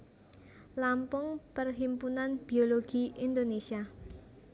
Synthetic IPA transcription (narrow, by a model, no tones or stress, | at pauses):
lampʊŋpərɦimpunanb̥ioloɡ̥iind̪onesia